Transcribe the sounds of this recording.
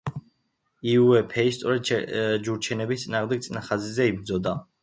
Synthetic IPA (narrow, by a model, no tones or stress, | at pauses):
iuɛpʰɛist̪sʼɔɾɛd̪d͡ʒuɾt͡ʃʰɛnɛbist̪sʼinaːʁmd̪ɛɡ̚t̪sʼnaχazizɛibɾd̪zɔd̪a